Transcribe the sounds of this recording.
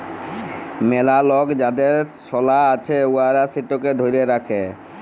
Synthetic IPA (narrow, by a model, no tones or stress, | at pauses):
mɛlalɔɡd͡ʑad̪eɾsɔlaat͡ɕʰeuaɾasiʈːoked̪ʱoɾieɾakʰe